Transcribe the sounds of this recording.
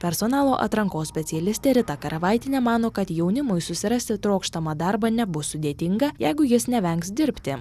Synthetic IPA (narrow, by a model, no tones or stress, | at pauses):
pʲɛɾsoːnɑːlˠoːʔɐ̰t̪ɾɐŋkoːssʲpʲɛt̪sʲɪjɛlʲɪsʲt̪ʲeːɾʲɪt̪ɐkɐɾɐʋɐɪt̪ʲɪnʲeːmɑːnoːkɐt̪jɛʊnʲɪmʊjsʊsʲɪɾɐsʲt̪ʲɪt̪ɾoːkʃt̪ɐmɑːd̪ɑɾbɐnʲɛbʊsʊd̪ʲeːt̪ʲɪŋɡɐjɛɪɡʊjɪsnʲɛʋʲɛŋksd̪ʲɪɾʲpʲt̪ʲɪ